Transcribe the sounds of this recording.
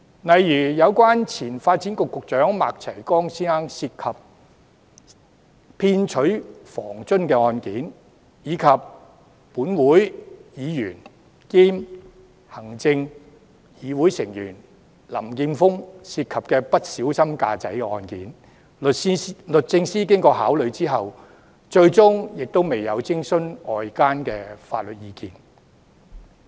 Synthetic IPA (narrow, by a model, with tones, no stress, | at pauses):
nɐ˨jjyː˨˩jɐ˨˧wkʷaː˥nt͡sʰiː˨˩nfaː˧t̚t͡siː˨˥nkʊ˨kːʊ˨k̚t͡ʃœː˨˥ŋma̰ː˨k̚t͡sʰɐ˨˩jkɔː˥ŋsiː˥ŋaː˥ŋsiː˧t̚kʰɐ˨p̚ | pʰiː˧nt͡ʃʰɵ˨˥ɥfɔː˨˩ŋt͡sɵ˥nkɛː˧ɔː˧nkiː˨˥n | jiː˨˧kʰɐ˨p̚ː | uː˨˥nwuː˨˥jjiː˨˧jyː˨˩n | kiː˥m | hɐ˨˩ŋt͡sɪ˧ŋ | jiː˨˧wuː˨˥jsɪ˨˩ŋjyː˨˩n | lɐ̰˨˩mkiː˧mfʊ˥ŋsiː˧t̚kʰɐ˨p̚kɛː˧pɐ˥t̚siː˨˥wsɐ˥mka̰ː˧t͡sɐ˨˥jkɛ˧ɔː˧nkiː˨˥n˨ | lɵ˨t̚t͡sɪ˧ŋsiː˥k̬ɪ˥ŋkɔː˧ɦaː˨˥wlɵ˨˧ɥt͡siː˥ɦɐ˨w | t͡ʃɵ˧ɥt͡sʊ˥ŋjɪ˨k̚t̪o˥wme˨jɐ˨˧wt͡sɪ˥ŋsɵ˥nɔː˨jkaː˥nkɛː˧fa̰ː˧t̚lɵ˨t̚jiː˧kiː˧n